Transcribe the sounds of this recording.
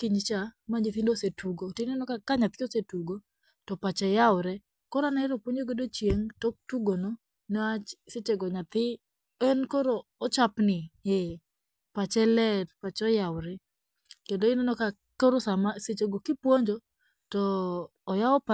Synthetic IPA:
kiɲt͡ʃamaɲit̪indosetuɡotoɪnenɔkakaɲat̪̚kɪosetuɡo | tɔpat͡ʃɛjawɾɛ | kɔɾanɛɾopwoɲoɡedot͡ʃjeŋtok̚tuɡono | nɔat͡ʃset͡ʃeɡɔɲat̪ɪ | ɛnkoɾoːt͡ʃapnɪɛ | pat͡ʃɛlɛtpat͡ʃɔjawɾɛ | kendoɪnenɔka | koɾosamaset͡ʃeɡokɪpwoɲd͡ʒo | tɔː | jaɔpa

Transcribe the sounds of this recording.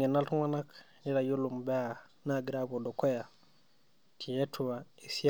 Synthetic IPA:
enaltuŋwanak | niɾajolumbea | naɡiɾabodokoja | tʰijetʰuwaisi

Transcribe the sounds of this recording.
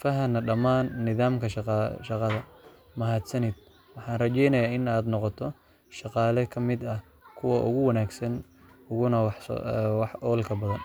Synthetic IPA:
fɐɦɐnɐɖɐmaːnːɪðaːmkʰɐʃʃɑqɑðɐ | mɐɦaːd̪sɐnid̪̚ | wɑħɑːnrɐt͡ʃɛjnɐjaːɪnaːd̪nɔqɔt̪ʰɔ | ʃɑqɑːlɛkʰɐmɪd̪ɐ | kʰʊwɐʔʊ̰ɣʊwɐnaːɡsɐn | ʊɣʊnɐwħwɑħɔːlkʰɐbɐðɐn

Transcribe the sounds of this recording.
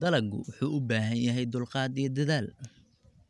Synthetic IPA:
d̪ɐlɐɡʊ̰wʊħuːʔʊbaːɦɐjjɐɦɛjd̪ʊlqɑːd̪ijɞd̪ɐðaːl

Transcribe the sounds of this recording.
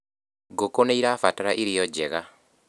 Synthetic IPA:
ɡokoneiɾaːfataɾaʔiɾijɔd͡ʑɛɣa

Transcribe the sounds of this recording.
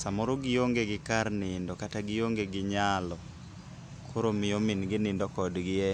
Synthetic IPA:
samɔɾoɡɪjoŋɡeɡɪkarnɪndɔkataɡɪjoŋɡeɡɪɲalɔ | kʰoɾomɪomɪnɡɪnɪndɔkɔdɡɪɛ

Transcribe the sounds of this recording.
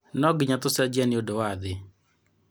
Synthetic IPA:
nɔɡɪɲat̪osɛd͡ʒiɛnɪodowaðɪ

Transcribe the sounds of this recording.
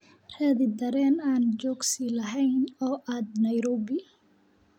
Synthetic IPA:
rɛːðɪd̪ɐɾɛːnaːnd͡ʒɔːɡsilɐɦɛjnɔːʔaːd̪nɐjɾɔːbɪ

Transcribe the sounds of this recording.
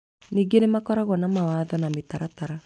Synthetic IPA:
niːɡenemakɔɾaɣwɔnamawaːðɔnametaɾataɾa

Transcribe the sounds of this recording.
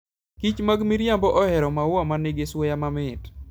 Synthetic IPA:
kit͡ʃmaɡmiɾjambɔʔɔhɛɾɔmawamaneɡeswɔjamamɪt

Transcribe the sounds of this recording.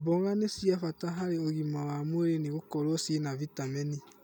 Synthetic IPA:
boɣanesiafataɦaɾeoɣimawamweɾeneɣokɔɾɔsinavitamɛni

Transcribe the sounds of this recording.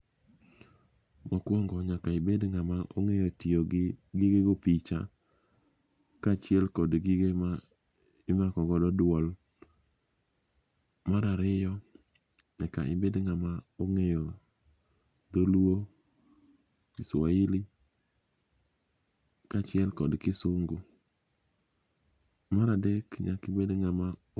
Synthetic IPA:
mɔkwɔŋɡɔɲakaɪbedŋamaʔoŋejotioɡiɡeɡopit͡ʃa̰ | kat͡ʃɪɛlkɔdɡiɡ | ɪmakɔɡɔdɔdwɔl | maɾaɾɪjɔ | ɲaka̰ɪmbedŋamaoŋejɔ | d̪oluo | kɪsaili | kat͡ʃɪɛlkɔdkɪsʊŋɡo | maɾadɛkɲa̰kɪmbedŋama

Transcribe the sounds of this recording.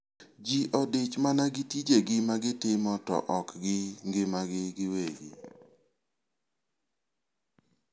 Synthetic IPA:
d͡ʒiʔɔdɪt͡ʃmanaɡɪtid͡ʒeɡɪmaɡɪtɪmɔtɔ̰ʔɔkɡɪŋɡɪmaɡɪɡɪweɡḭ

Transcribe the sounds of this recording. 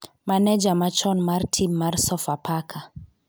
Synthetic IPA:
manɛd͡ʒamat͡ʃɔnmaɾtʰinmaɾsɔfapʰakʰa

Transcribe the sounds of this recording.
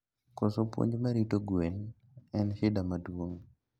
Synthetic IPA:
kɔsopwo̰ɲd͡ʒmaɾitoɡwel | ɛnhɪdamadwoŋ

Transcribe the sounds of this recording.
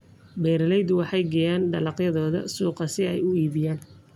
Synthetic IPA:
bɛːɾɐlɛjðʊwɑħɑjɡɛjaːnɖɐlɑqjɐðɔːðɐ̰suːqɐsɪɛjʊiːβɪjaːn

